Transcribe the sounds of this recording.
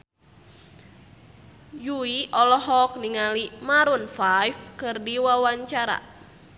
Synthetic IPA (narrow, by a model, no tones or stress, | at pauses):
juiʔɔlɔɦɔk̚niŋalimaɾunfajfkɨrdiwawaɲt͡ʃaɾa̰